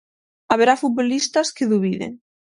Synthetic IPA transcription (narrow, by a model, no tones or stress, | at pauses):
aβeɾafut̪̚βolist̪askeðuβ̞iðḛŋ